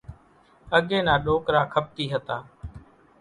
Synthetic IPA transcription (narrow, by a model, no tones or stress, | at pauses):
əɠeːnãːɗoːkɾaːkʰəp̚t̪iːɦət̪aː